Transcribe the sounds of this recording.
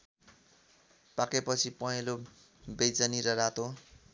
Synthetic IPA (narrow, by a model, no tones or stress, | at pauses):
pakepʌt͡sʰipʌɦelo | bejd͡zʌniɾʌɾat̪o